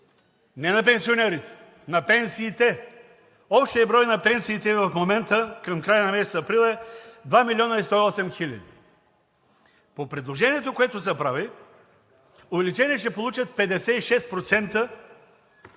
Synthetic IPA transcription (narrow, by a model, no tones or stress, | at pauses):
nɛnɐpɛnsionɛɾit̪ɛ̥ | nɐpɛnsiːt̪ɛ | ɔpʃt̪iɐbɾɔjnɐpɛnsiːt̪ɛvɐfmomɛnt̪əkɐmkɾajənɐmɛsɛ̥t̪ɐpɾilˠɛd̪vamilʲiɔnəist̪ɔiɔsɛmxilʲɐ̰d̪ḭ | popɾɛd̪lˠoʒɛniɛt̪okoɛt̪ʊs̬ɛpɾavi | ovɛlʲit͡ʃɛniɛʃ̬ɛpolˠut͡ʃət̪̚pɛd̪ɛsɛiʃɛst̪̚pɾot̪sɛnt̪ə